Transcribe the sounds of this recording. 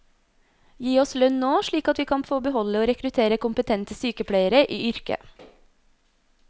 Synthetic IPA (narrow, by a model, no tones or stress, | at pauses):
jiːɔslœnnoːʃɭiːkɑt̪ʋiːkʰɑnfoːbəhɔləoːɾɛkɾʉt̪ʰeːɾəkʊmpət̪ʰɛnt̪əsyːkəpʰɽæɪəɾəʔiːʏɾkə̰